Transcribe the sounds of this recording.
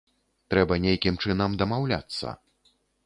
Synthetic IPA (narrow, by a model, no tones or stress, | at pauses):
t̪ɾɛbɐnʲejkʲimt͡ʂɨnɐmd̪ɐmawlʲa̰t̪sːɐ̰